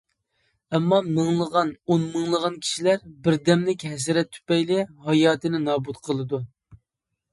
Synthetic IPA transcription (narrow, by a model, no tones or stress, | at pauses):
ɛmːɑmɨŋlˠəʁɑnonmɨŋlˠəʁɑnkʲʰi̥ʃilæɾbɪɾd̪ɛmlɪkʲɦɛs̬ɪɾɛt̪ʰːy̥pɛjlɪhɑjɑːt̪ʰɨnɪnɑːbut̪qʰəlˠɨd̪u